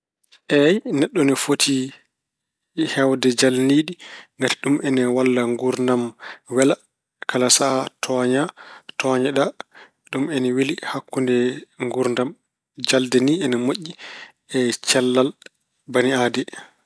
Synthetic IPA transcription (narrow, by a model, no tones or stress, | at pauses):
ʔɛjnɛɗːɔnɛfotʰi | hɛwdɛd͡ʒalniɗiŋɡati̥ɗumʔɛnɛwalːaŋɡuɾndamwɛla | kʰalasatʰɔɲatʰɔɲɛɗa | ɗumɛnɛwilihakːundɛŋɡuɾndam | d͡ʒaldɛniɛnɛmoʔːi | ɛt͡ʃɛlːal | baniaːdɛ